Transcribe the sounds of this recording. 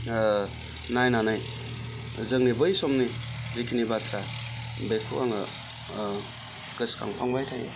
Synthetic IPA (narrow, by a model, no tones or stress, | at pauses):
najnanɯj | zɯŋnibɯjsɔmnizikʰinibatʰɾa | bekʰɯ̰waŋɯ̰ | kɯskʰa̰ŋpʰaŋbajtʰaja̰